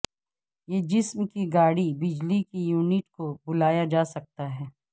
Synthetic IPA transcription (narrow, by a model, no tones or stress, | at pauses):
jeːd͡ʒɪsmkiɡaːɽibɪd͡ʒlikijuːnɪʈkobʊlaːjad͡ʒaːsɐk̚t̪aɦɛː